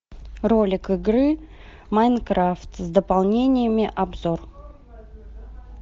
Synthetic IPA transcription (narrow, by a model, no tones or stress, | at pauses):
ro̞lʲɪkɨɡɾɨ | majnkɾaft̪zd̪əpalˠnʲenʲɪjəmʲɪʔabzo̞r